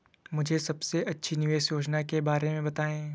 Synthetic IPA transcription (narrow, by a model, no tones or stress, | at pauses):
mʊd͡ʒʱesɐbseʔɐtːʃʰinɪʋeːʃjoːd͡ʒnakebaːɾemẽbɐt̪aːẽː